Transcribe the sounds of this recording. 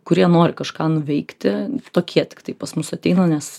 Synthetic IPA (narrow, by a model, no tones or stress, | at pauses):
kʊɾʲiɛnoːɾʲɪkɐʃkɑːnʊʋʲɛɪkt̪ʲɪt̪oːkʲʰiɛt̪ʲɪ̥kt̪ɐɪpɐsmʊsɐt̪ʲɛɪnɐnʲɛs